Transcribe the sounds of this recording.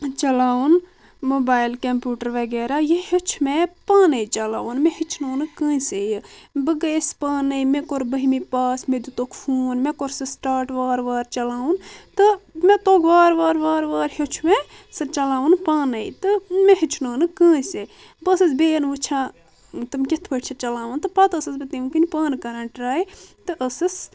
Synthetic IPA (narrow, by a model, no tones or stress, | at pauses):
t͡ʃɐlaːun | moːbaːjlkɐmpjuːʈəɾʋɐɡeːɾajehet͡ʃʰumepaːnɐjt͡ʃɐla̰ːunmẽhit͡ʃʰnoːnɨkə̃ːsejbəɡɐespaːnɐjmẽkoɾbəɦimipaːsmed̪ut̪okʰfʰuːnmekoɾsɐsʈaːɾʈʋaːɾʋaːɾt͡ʃɐlaːunt̪ɨmẽt̪oːkʰʋaːɾʋaːɾʋaːɾʋaːɾhot͡ʃʰume | sɐt͡ʃɐlaːʋunpaːnɐjt̪ɨmeɦit͡ʃʰnoːnɨkə̃ːse | bɐsɐsbeːnʋɨt͡ʃʰã | t̪ɨmkʲit̪ʰbɐʈʲt͡ʃʰɐt͡ʃɐlaːʋɐnt̪ɨpɐt̪ɐsɐsbɐt̪imkɨnipaːnkɐɾãːnʈɾaːit̪ɨʔəsɐs